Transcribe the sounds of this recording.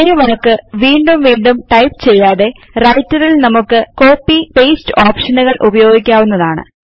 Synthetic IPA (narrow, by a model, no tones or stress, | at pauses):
ɐjuʋɐlɐkːɨʋiːɳɖumʋiːɳɖumʈɐjpt͡ɕe̞jːaːðe̞ | rɐjtːuðilnɐmukːɨko̞ːpːipejstɨoːpʂɐnuɣɐɭʔubɐjo̞ːɡikʲːaːʋunːɐðaːɳɨ̰